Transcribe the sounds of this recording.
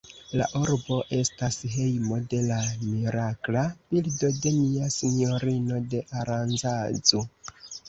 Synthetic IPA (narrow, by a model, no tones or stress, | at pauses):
la̰ʔuɾbo̞ʔe̞stasɦe̞jmo̞de̞lamiɾaklab̥ildo̞de̞niasino̞ɾino̞de̞ʔaɾanzad͡zo